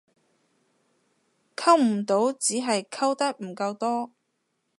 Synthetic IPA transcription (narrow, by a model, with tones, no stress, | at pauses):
kʰɐ˥wm̩˨˩t̪o˨˥wt͡siː˨˥ɦɐ˨jkʰɐ˥wt̪ɐ˥k̚m̩˨˩kɐ˧wt̪ɔː˥